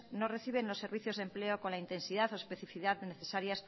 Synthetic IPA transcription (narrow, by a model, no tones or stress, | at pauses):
nore̞θiβ̞e̞nlo̞sːeɾβ̞iθjo̞zðe̞mpleoko̞nlaint̪e̞nsið̞aθoespe̞θifiðaðneθe̞saɾjas